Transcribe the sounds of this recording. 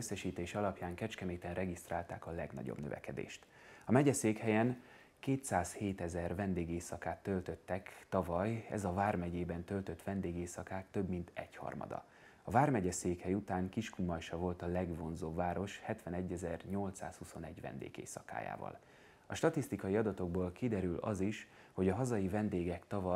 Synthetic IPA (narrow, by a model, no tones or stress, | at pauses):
øsːɛʃiːt̪eːʃɒlɒpjaːŋkɛt͡ʃkɛmeːt̪ɛnrɛɡist̪raːlt̪aːkɒlɛɡnɒ̰ɟo̰bnøvɛ̰kɛd̪ḛːʃt̪ | ɒmɛɟɛseːkhɛjɛn | keːt̪saːsheːt̪ɛzɛrvɛnd̪eːɡeːsɒkaːt̪ːø̞lt̪ø̞t̪ːɛkt̪ɒvɒjɛ̰zɒvaːrmɛɟeːbɛnt̪ø̞lt̪ø̞t̪ʋɛnd̪eːɡeːsɒkaːt̪ːøbmint̪ɛɟhɒ̰rmɒ̰d̪ɒ̰ | ɒvaːrmɛɟɛseːkhɛjut̪aːŋkiʃkumɒjʃɒvo̞lt̪ɒlɛɡvo̞nzoːbvaːɾo̞ʃhɛt̪ʋɛnɛɟːɛzɛrɲo̞lt̪sa̰ːshuso̞nɛɟʋɛ̰nd̪ḛːɡḛːsɒka̰ːja̰ːvɒ̰l | ɒʃt̪ɒt̪ist̪ikɒjiɒd̪ɒt̪o̞ɡ̚boːlkid̪ɛɾylʔɒ̰ziʃ | ho̞ɟɒɦɒzɒjivɛnd̪eːɡɛkt̪ɒvɒ